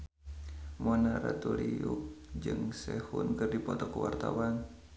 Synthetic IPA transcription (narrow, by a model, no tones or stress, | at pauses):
mɔnaɾat̪uɾiʊk̚d͡ʒɨŋsɛhunkɨrdipɔt̪ɔkəwart̪awan